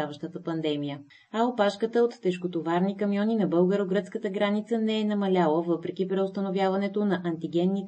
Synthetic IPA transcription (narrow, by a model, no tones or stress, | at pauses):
avəʃt̪ət̪əpɐnd̪ɛmijə | ɐopaʃkət̪əot̪ːɛʃkot̪ovaɾnikɐmijɔninɐbɤlˠɡəɾoɡɾət̪skət̪əɡɾanit̪sənɛɛnɐmɐlʲalˠəvɤpɾɛk̟ʲipɾɛost̪ənovjavɐnɛt̪onɐʔɐnt̪iɡʲɛnːit̪